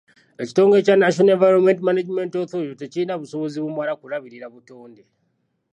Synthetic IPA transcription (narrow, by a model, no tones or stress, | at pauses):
et͡ʃi̥to̞ŋɡet͡ʃanaʃoneɱvajɾomentmanad͡ʒimentoθojotet͡ʃiːnaβuso̞βo̞ziβumwaɾakuɾaβiɾiɾaβutoːnde